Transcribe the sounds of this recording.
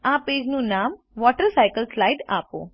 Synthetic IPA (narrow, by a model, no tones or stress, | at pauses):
apeːd͡ʒnũnaːm | ʋɔʈəɾsajkəlslaːjɖa̰ːpo̰